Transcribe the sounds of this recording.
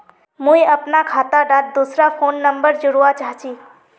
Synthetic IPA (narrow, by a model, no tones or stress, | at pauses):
mũĩəpnakʰaːt̪aɖat̪̚d̪usɾapʰoːnːəmbəɾd͡ʒʊɽuat͡ʃaɦt͡ʃʰi